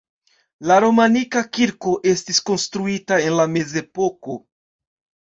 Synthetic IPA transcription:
laɾo̞manikakiɾko̞ʔe̞stisko̞nstɾuitae̞nlameze̞po̞ko̞

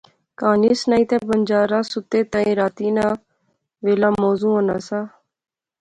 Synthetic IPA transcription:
kaːniːsnaːĩːt̪ẽːbənd͡ʒaːɾaːsʊt̪eːt̪ãːĩːɾaːt̪iːnãː | ʋeːlaːmɔːzũːonaːsaː

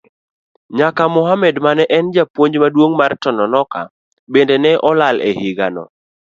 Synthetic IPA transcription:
ɲakamʊɦamɛdmanɛʔɛnd͡ʒapwoɲd͡ʒmadwoŋmartɔnɔnɔka̰ | bendenɛʔɔlalḛhɪɡanɔ̰

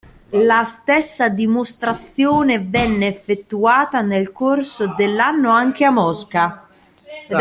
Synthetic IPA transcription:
last̪ɛsːad̪imost̪ɾat̪sjɔːnevɛnːeːfːet̪ːuaːt̪anelkorsod̪elːanːoaŋk̟eamːɔska

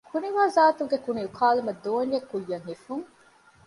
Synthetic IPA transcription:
kʰuniʋaːzaːt̪uŋɡekuniukʰaːlumɐd̪oːnjekːujːɐŋɦifuŋ

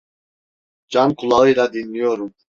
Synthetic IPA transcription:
d͡ʒamkʰulˠaɯjlad̪inːijoɾum

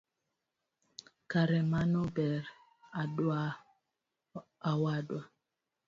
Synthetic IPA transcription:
kaɾɛmanobɛɾ | adwa | awadwa

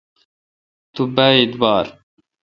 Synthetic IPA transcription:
t̪ubaid̪wɑːɾ

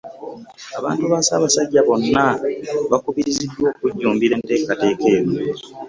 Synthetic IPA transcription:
aβa̰ːntuβaːsa̰ːβasaɟːaβo̞nːaβakuβiɾizidwo̞ːkuɟːuːmbiɾe̞ːnte̞ːkate̞ːke̞ːɾwe

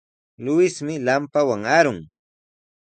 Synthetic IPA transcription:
lʊjɪsmɪlampawaŋaɾʊŋ

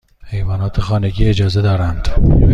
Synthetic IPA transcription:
he̞jvɒːnɒːt̪ʰexɒːne̞ɟiːed͡ʒɒːzed̪ɒːɾænd̪̥

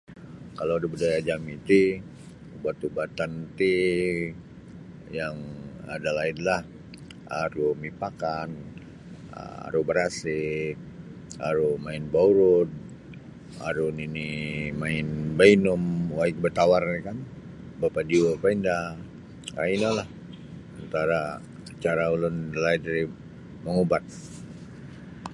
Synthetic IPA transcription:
kaloadabədajad͡ʒamit̪i | ubat̪ubat̪ant̪i | jaŋa̰dalaidlah | aɾumipakan̰ | a̰ɾubəɾasɪk̚a̰ɾumaɪnbauɾʊd̪̚ | a̰ɾuninimaɪnbainʊmwaɪk̚bət̪awarnikan | bapadiopainda | a̰inalah | ant̪aɾa | t͡ʃaɾaulʊnlaidɾi | məŋubat̪̚

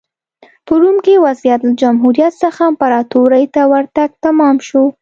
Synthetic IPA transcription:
pəɾumkewazjat̪lad͡ʒamɦuɾijat̪səxampaɾɑt̪oɾəjt̪awaɾt̪aɡ̚t̪amɑmʃo

